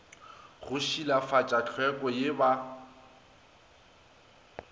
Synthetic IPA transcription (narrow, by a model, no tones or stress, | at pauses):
ɣʊʃilafat͡ʃʼat͡ɬʰwɛkʼɔjɪba